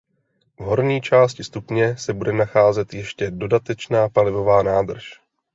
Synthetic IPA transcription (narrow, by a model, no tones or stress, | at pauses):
vɦo̞ɾɲiːt͡ʃaːscɪst̪upɲɛsɛbudɛnaxaːzɛt̪jɛʃcɛdo̞dat̪ɛt͡ʃnaːpalɪvo̞vaːnaːd̪r̩ʃ